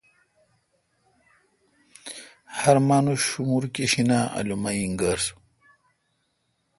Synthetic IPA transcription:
hɐɾmaːnuɕumuɾkiɕinaːɐ̰lumaiŋɡaɾs

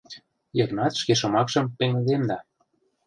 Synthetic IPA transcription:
jɤknɑt̪ʃkeʃɤ̆mɑkʃɤ̆mpeŋə̆d̪emd̪ɑ

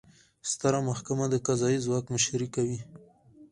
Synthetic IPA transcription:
st̪əɾamahkamad̪əkazɑjizwɑkməʃɾikawi

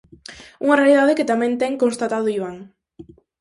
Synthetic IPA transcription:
uŋarealið̞að̞eket̪amẽnt̪eŋkonst̪at̪að̞uiβaŋ

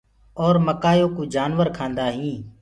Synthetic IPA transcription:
ɔːɾməkaːjoːkũːd͡ʒaːnʋəɾkʰãːnd̪aːɦĩː

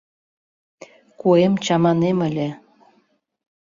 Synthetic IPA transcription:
kuemt͡ɕɑmɑneməlʲĕ

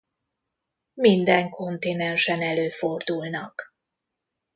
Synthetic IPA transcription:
mind̪ɛŋkʰo̞nt̪inɛnʃɛnɛløːfo̞rd̪ulnɒk

